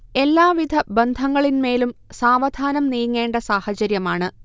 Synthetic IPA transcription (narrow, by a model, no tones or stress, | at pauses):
e̞lːaːʋid̪ʱɐbɐnd̪ʱɐŋːɐɭinme̞ːlumsaːʋɐd̪ʱaːnɐmnijɐŋːe̞ːɳɖɐsaːhɐt͡ɕɐɾjɐmaːɳɨ